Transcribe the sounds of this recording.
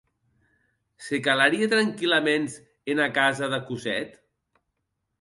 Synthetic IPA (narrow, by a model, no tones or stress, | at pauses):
sekalaɾiet̪ɾaŋkilamenz | enakazaðakuzɛ̰t̪